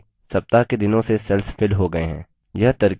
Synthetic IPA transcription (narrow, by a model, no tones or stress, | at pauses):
sɐp̚t̪aɦked̪ɪnõsesɛlffɪlɦoɡɐeɦɛ̰̃ː | jɐɦt̪ɐɾk